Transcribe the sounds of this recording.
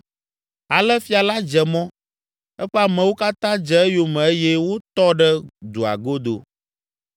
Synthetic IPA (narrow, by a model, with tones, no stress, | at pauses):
a˨lɛ˦fi˦a˨la˦d͡ʒɛ˨mɔ̃˦ | ɛ˦ɸɛ˦a˨mɛ̃˨wo˦ka˦t̪ã˦d͡ʒɛ˨ɛ˦jo˨mɛ̃˨e˦jɛ˦wo˦t̪ɔ˦ɖɛ˦d̪u˨a̰˨ɡo˦d̪o̰˨